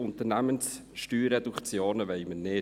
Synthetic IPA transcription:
ʊnt̪əɾnæmənsʃtyːɾːɛd̥̪ukt͡sjoːnəʋɛjmənɪ

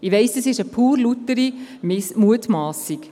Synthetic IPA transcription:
iʋɛɪsdɑsɪʃəpʰuːɾlutːəɾimmuətmɑːsik

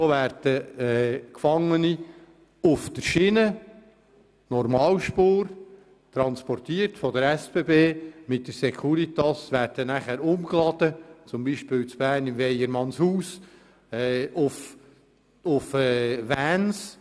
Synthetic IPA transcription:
soʋæɾd̥əɛːkfɑŋːəni | ʊfd̥əɾʃɪnə | nɔɾmɑːlʃpoːɾ | t̪ɾɑnspɔrtiːəɾtfɔdəɾɛsb̥eːbeːmɪt̚d̥əɾsɛkʰuɾit̪ɑsvæːɾd̥ənæχæːɾʊmklɑd̥ət͡sʊmbiːʃpɪːlt͡sb̥æːrnɪmvɛjəɾmɑnshuːs | ɛʊf | ʊfɛːvæːns

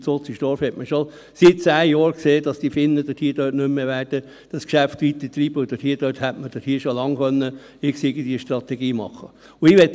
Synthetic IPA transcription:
sot͡siʃtɔɾfhɛtməʃo | sɪt̚t͡sæːjoːɾkseːd̥ɑsd̥ifɪnːəd̥əthiːd̥øːtnɵmːeʋæːɾd̥ə | d̥ɑskʃæft̪ʋit̪ət̪ɾiːb̥əʊd̥əthiːd̥øthætməd̥əthiːʃolɑŋχœnːə | ɪksiɡəd̪iːʃt̪rɑt̪ɛɡiːmɑ̰χːə | ʊɪʋɛt

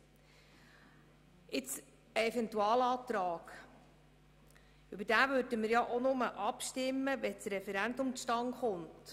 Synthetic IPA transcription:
ɪt͡s | əɛfɛntuɑːlɑːt̪ɾɑːɡ̥ | ʏbəɾd̥æːvøɾdəmɪɾjɑʔonʊməʔɑpʃtɪmːəʋɛt͡sɾɛfɛɾændʊmʃtɑŋχʊnt

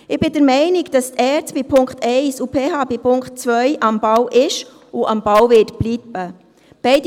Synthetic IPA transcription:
ɪb̥ɪdəɾmɛɪnɪɡd̥ɑstʰɛːt͡sb̥ipʰʊŋkχtʰɛɪsupʰeːɦɑːbipʰʊŋkχtt͡svœjʔɑmbawʔɪʃ | ʊʔɑmbawvɪtb̥liːb̥ə | b̥ɛɪd

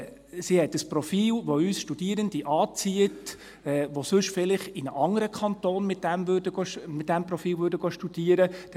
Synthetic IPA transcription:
sihɛtəsprɔfiːlʋoyːsʃtud̥iəɾəndiʔɑːt͡siət | ɛʋosʉʃfɪlɪχɪnəʔɑŋəɾəkʰχɑntoːnmɪt̚d̥æmvød̥əɡ̥oʃmɪt̚d̥ɛmprɔfiːlvøɾdəɡoʃtud̥iːəɾəd̥

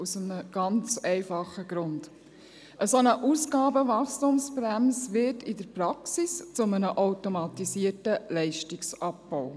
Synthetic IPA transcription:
usəməɡ̥ɑnt͡sɛɪfɑχəɡɾʊnd̥ | ʔəsonəʔuːsɡ̥ɑːbəʋɑkstumspɾæmsʋɪtidəɾpɾɑksist͡sʊmənəʔoʊtomɑtisiətəlɛɪʃtɪksɑpb̥ɔw

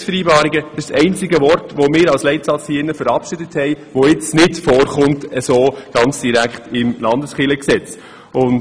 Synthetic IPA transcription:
sfəɾiːbɑːɾiɡəd̥əʃsɛɪnt͡sɪɡəvɔrtʋomɪːɾɑlslɛɪtsɑt͡shiːɪnːəfəɾɑpʃɪdəthɛɪʋoɪt͡snɪtfɔːɾχʊmtɛsoːɡ̥ɑnt͡sd̥iɾækχtɪmlɑndəsχɪləksɛt͡s | ʊn

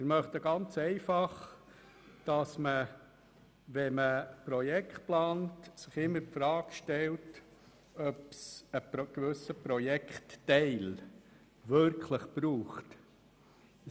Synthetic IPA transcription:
mɪɾmœχtəɡɑnt͡sɛɪfɑχ | d̥ɑsmə | ʋɛməpɾɔjɛkχtplɑːntsɪχɪmːəɾpfɾɑːkʃtɛlt | œpsəɡ̥ʋʏsəpɾɔjɛkχtːɛɪl | ʋʏɾkʰləχb̥ɾuːχt

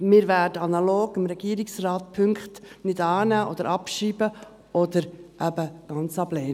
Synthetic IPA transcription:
mɪːɾvæːdəɑnɑloːɡɪmɾɛɡiːɾɪksrɑːt̪̚pʰʏŋkχtnɪdɑːnæːʔɔ̰d̪əɾʔɑpʃiːbə | ʔɔd̪əɾʔæbəɡ̥ɑnt͡sɑblɛːn

